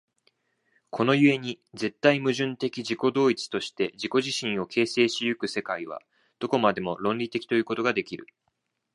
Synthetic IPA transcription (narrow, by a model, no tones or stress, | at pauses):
kʰo̞no̞jɯ̟e̞ɲ̟i | d͡ze̞t̪ːaimɯ̟ʑɨ̃nt̪e̞kʲiʑiko̞d̪o̞ːit͡sɨ̥t̪o̞ɕi̥t̪e̞d͡ʑiko̞ʑiɕĩɰ̃o̞kʰe̞ːse̞ːɕijɯ̟kɯ̟se̞kaiβ̞a̰ | d̪̥o̞ko̞mad̪e̞mo̞ɾõ̞nɾʲit̪e̞kʲi̥t̪o̞jɯ̟ːko̞t̪o̞ɡad̪e̞kʲiɾɯ̟̰